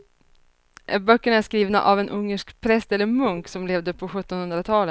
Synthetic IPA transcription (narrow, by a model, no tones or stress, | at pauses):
bœkːəɳaæʂkɾiːvna̰ʔavɛnʔɵŋːəʂkpʰɾɛst̪ɛlːəɾmɵŋksɔmleːvd̪əpʰɔɧɵt̪ːɔnhɵnd̪ɾat̪ʰɑːlə